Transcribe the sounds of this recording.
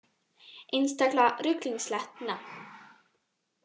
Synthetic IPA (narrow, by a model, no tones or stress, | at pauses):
ɪnst̪aklarʏkliŋslɛht̪na